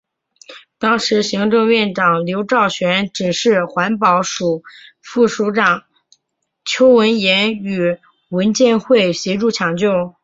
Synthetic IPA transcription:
t̪ɑ˥ŋʂɻ̩˧˥ɕi˧˥ŋʈ͡ʂɤ˥˧ŋɥɛ˥˩nʈ͡ʂɑ˨˩ŋljo˧˥ʊʈ͡ʂɑ˥˩ʊɕɥɛ˧˥nʈ͡ʂɻ̩˨˩ʂɻ̩˥˩xwa˧˥npɑ˧˥ʊʂu˨˩ | fu˥˩ʂu˧˥ʈ͡ʂɑ˨˩˦ŋ | t͡ɕʰjo˥ʊwə˧˥njɛ˧˥ny˨˩ | wə˧˥nt͡ɕjɛ˥˧nxwe˥˩ɪɕjɛ˧˥ʈ͡ʂu˥˩t͡ɕʰjɑ˧˥ŋt͡ɕjo˥˩ʊ

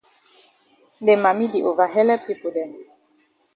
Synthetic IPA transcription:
dɛ˨ma˨mi˦di˨ʔo˨va˨ɦɛ˦lɛ˦pi˦˨pu˨dɛ˨

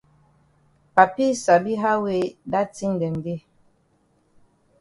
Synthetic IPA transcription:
pa˨pi˦sa˨bi˦ɦa˦we˦da˦ti˦ŋ˨ɡɛ˨n˨bi˦

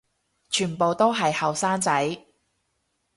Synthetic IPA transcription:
t͡ʃʰyː˨˩npo˨wt̪o˥wɦɐ˨jhɐ˨wsaː˥ŋt͡sɐ˨˥j

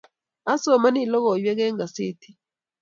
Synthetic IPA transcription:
a˦sɔ˨ma˦ni˦˨lɔ˦ɣɔ˨jwɛ˦k̬ɛ˦ŋɡa˨se˦ti˦

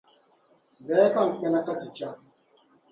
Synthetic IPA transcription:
zɛ˨˦ka˦˨ŋ̩˨k͡pɛ˦na˦ka˦ti˨t͡ʃa˦

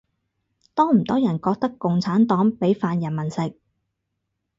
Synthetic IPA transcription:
t̪ɔː˥ŋm̩˨˩t̪ɔː˥jɐ˨˩nkɔː˧k̚t̪ɐ˥kːʊ˨ŋt͡sʰaː˨˥nt̪ɔː˨˥ŋpe˨˥jfaː˧njɐ˨˩nmɐ˨˩nsɪ˨k̚

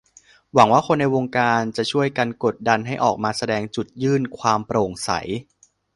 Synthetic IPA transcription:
wa˩˦ŋwaː˥˩kʰo˧nːa˧jwoː˧ŋkaː˧nt͡ɕa˨˩t͡ɕʰu˥˩əjka˧nko˨˩t̪̚da˧nɦa˥˩jʔɔː˨˩k̚maː˧sa˧dɛː˧ŋt͡ɕu˨˩t̪̚jɯː˥˩nkʰwaː˧mpɾoː˨˩ŋsa̰˩˦j

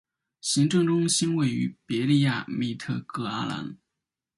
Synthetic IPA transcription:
ɕi˧˥ŋʈ͡ʂɤ˥˧ŋʈ͡ʂʊ˥ŋɕi˥nwe˥˩ɪy̰˧˥pɛ˧˥li˥˧ja˥˩mi˥˩t̪ʰɤ˥˩kɤ˥˩a˥la̰˧˥n

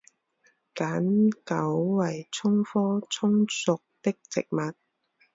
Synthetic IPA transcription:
kaː˨˥nkɐ˨˥wwɐ˨˩jt͡sʰʊ˥ŋfɔː˥t͡sʰʊ˥ŋsʊ˨k̚t̪ɪ˥k̚t͡sɪ˨k̚mɐ˨t̚

